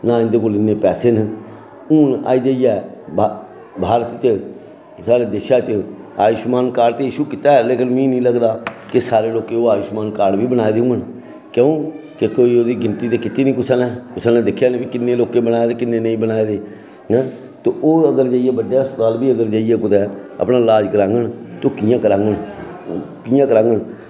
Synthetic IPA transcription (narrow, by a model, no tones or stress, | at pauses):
nãːɪ̃nd̪eːkoːlɪnːeːpɛːseːn | uːna̰ːiːd͡ʒaːijɛː | bʱaːɾət̪t͡ʃə | saːɽeːd̪eːʃaːt͡ʃə | aːjiʃmaːnkaːɽt̪eːjiːʃuːkɪt̪aːɛleːkənmĩːnĩːləɡd̪aːkɪsaːɾeːloːkẽːoːaːiʃmaːnkaːɽʋiːbənaːeːd̪eũːən | kəũː | kekoːiːoːd̪iːɡɪnt̪iːt̪eːkɪt̪iːnĩːkʊsanɛːkʊsənɛ̃ːd̪ɪkʰːjaːnebiːkɪnːeːloːkẽːbənaːeːd̪eːkɪnːeːnəĩːbənaːed̪ẽː | t̪oːʔoːəɡəɾd͡ʒaːijeːbəɖjaːəspət̪aːlbiːəɡəɾd͡ʒaːiɛːkʊd̪ɛːə̰pnaːlaːd͡ʒɡəɾãːŋɡəɳt̪oːkɪjãːkəɾãːŋɡəɳ | kɪjãːkəɾãːŋɡəɳ